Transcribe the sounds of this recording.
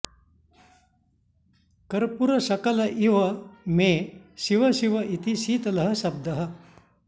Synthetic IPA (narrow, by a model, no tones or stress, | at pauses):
kɐɾpuɾɐɕɐkɐlɐʔiʋɐmeːɕiʋɐɕiʋɐʔit̪iɕiːt̪ɐlɐɦɐɕɐb̚d̪ɐɦɐ